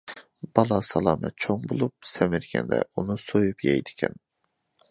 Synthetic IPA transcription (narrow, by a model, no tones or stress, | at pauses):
b̥ɑlˠɑsɑlˠɑːmɛt̪̚t͡ʃʰoŋbolˠup̚sɛmɪɾɡʲɛ̰nd̪ɛ̰unusojupjɛjd̪ɪ̥kʲʰɛn